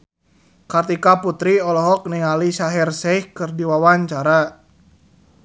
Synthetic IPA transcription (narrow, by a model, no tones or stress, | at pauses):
kart̪ikaput̪ɾiɔlɔɦɔk̚niŋaliʃaɦɛrsɛjhkɨrdiwawaɲt͡ʃaɾa